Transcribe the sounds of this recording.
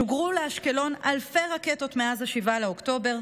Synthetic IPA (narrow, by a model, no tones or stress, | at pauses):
uɡʁuleaʃkelo̞nalfeʁaket̪o̞t̪meazaʃivalaokt̪o̞be̞ʁ